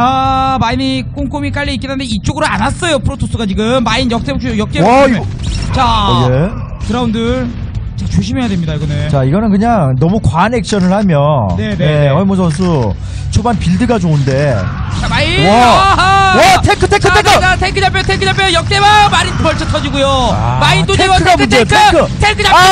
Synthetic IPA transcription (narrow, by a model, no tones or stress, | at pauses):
amainik͈uŋk͈umik͈aʎːiːk͈inɯndeit͡ɕ͈oɡɯɾoanas͈ʌjopʰɯɾotʰos͈ʰuɡat͡ɕiɡɯmːainjʌk̚t͈ebokt͡ɕʰojʌk̚t͈e | t͡ɕaje | kɯɾaundɯɭt͡ɕat͡ɕoɕʰimɦe̞jadwemɲidaiɡʌne̞t͡ɕaiɡʌnɯnkɯɲaŋnʌmukwane̞k̚ɕ͈ʌnɯɭhamjʌnneneʌimosʰʌnsʰu | t͡ɕʰobanpiɭdɯɡad͡ʑounde̞ | t͡ɕamaiwʌ | wʌtʰekʰɯ̥tʰekʰɯtʰekʰɯatʰekʰːɯd͡ʑapʰjotʰekʰɯdapʰjojʌk̚t͈ebamaɾikʌɭt͡ɕʰʌtʰʌd͡ʑiɡujo̰maindot͡ɕʰekʰɯɡamʰudʰetʰeɯkʰɯtʰekʰɯd͡ʑa